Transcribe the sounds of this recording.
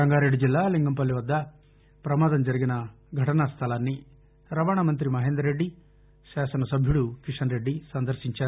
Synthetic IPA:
ɐŋɡaːɾeɖːid͡ʒilːaːliŋɡɐmpɐlːiʋɐd̪ːɐ | pɾɐmaːd̪ɐmd͡ʒɐɾiɡinɐ | ɡʱɐʈɐnɐst̪ʰɐlaːnːi | ɾɐʋaːɳɐmɐnt̪ɾimɐɦeːnd̪ɾɐɾeɖːi | ʃaːsɐnɐsɐbʱjuɽukiʂɐnɾeɖːisɐnd̪ɐɾsiɲt͡ʃaːɾ

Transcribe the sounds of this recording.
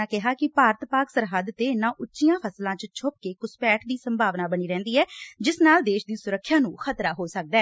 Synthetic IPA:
aːkɪɦaːkɪpaːɾət̪paːksəɾɦəd̪t̪eːɪnãːʔʊtːʃijãːpʰəslãːt͡ʃt͡ʃʰʊp̚keːkʊspɛːʈd̪iːsəmbʱaːʋnaːbəñiːɾɛ̃ːnd̪iːɛːd͡ʒɪsnaːld̪eːʃd̪iːsʊɾəkʰːjãːnũːxʰət̪ɾaːɦoːsək̚d̪aːɛː

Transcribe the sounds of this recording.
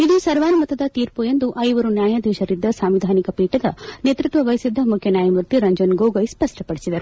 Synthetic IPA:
id̪usɐɾʋaːnɐmɐt̪ːɐd̪ɐt̪iːɾpujend̪uʔɐjʋɐɾunjaːjɐd̪ɛːʃɐɾid̪ːɐsaːmʋid̪ʱaːnikɐpiːʈɐd̪ɐnet̪ɾut̪ʋɐʋɐjsid̪ːɐmukʰjɐnjaːjɐmɾut̪iɾɐɲd͡ʒɐnɡoːɡɐjspɐʂʈɐpɐɽisid̪ɐɾu

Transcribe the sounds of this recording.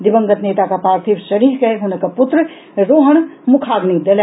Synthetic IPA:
d̪ɪbəŋɡət̪neːt̪akapaːɾt̪ʰiɾsɐɾiːɾkɐeɦʊnəkapʊt̪ɾə | ɾoːɦəɳ̃mʊkʰaːɡnid̪ɐl

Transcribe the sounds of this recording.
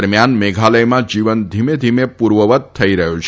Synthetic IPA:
ɾmjanmeɡʱaləjmãd͡ʒiʋənd̪ʱimed̪ʱimepuɾʋəʋət̪̚tʰːəiɾəɦũt͡ʃʰ

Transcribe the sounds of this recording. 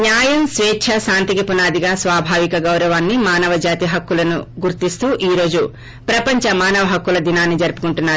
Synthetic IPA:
ɲjaːjɐmsʋɛːtːʃʰɐʃaːnt̪ikɐpunaːd̪iɡaːsʋaːbʱaːʋikɐɡɐwɾɐʋaːnːimaːnɐʋɐd͡ʒaːt̪iɦɐkːulɐnuɡuɾt̪ist̪uːʔiːɾo̞ːd͡ʒu | pɾɐpɐɲt͡ʃɐmaːnɐʋɐɦɐkːulɐd̪inaːnːid͡ʒɐɾpu̥kuɳʈunːaːɾu

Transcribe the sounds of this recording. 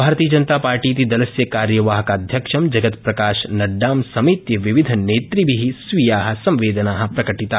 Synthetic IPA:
bʱaːɾt̪ijəd͡ʒɐnt̪apaːɾʈit̪id̪ɐlɐsjɐkaːɾjɐʋaːɦɐkad̪ʱjɐkʃɐmd͡ʒɐɡət̪pɾɐkaːʃnɐɖːaːmsɐmit̪jɐʋɪʋɪd̪ʱneːt̪ɾibʱiɦisʋijaːɦɐ̆sɐ̃mʋeːd̪naːɦɐ̆pɾɐkɐʈit̪aː

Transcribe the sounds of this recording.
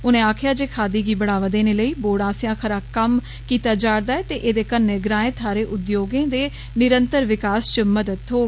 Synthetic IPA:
ʊnẽːaːkʰɪjaːd͡ʒeːkʰaːd̪iːɡiːbəɽaːʋad̪eːneːləiːboːɽãːsɪjãːkʰəɾaːkəm | kiːt̪aːd͡ʒaːɽd̪aːɛːt̪eːʔeːd̪eːkənːeːɡɾãːẽːt̪ʰaːɾeːʔʊd̪joːɡẽːd̪eː | nɪɾənt̪əɾʋɪkaːst͡ʃəməd̪əd̪ɦoːe

